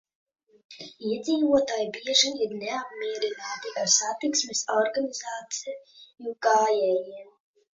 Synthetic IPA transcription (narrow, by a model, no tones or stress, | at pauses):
iɛd̪ziːvuɔt̪aːjbiɛʒiiɾnɛap̚mʲiɛɾinaːt̪iaɾsat̪iksmɛsɔɾɡanizaːt̪sijuɡaːjɛːjiɛm